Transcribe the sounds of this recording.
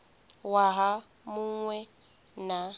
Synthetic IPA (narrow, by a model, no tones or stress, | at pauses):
waɦa | muŋwɛ | na